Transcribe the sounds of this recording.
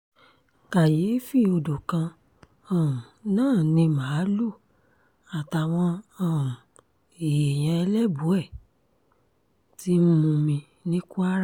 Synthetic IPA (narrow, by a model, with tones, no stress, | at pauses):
ka˨je˨˦fi˦o˧do˨kã˧ | ã˦˨ũ˨nãː˦˨nĩ˧mã˨˦lu˦˨ | a˨ta˨w̃ɔ̃˧ã˦˨ | e˨je˨j̃ɛ̃˧ɛ˧lɛ˦bu˨˦ɛ˦˨ | ti˦m̩˦mũ˧mĩ˧ | nĩ˦ku˦a˦ɾa˦˨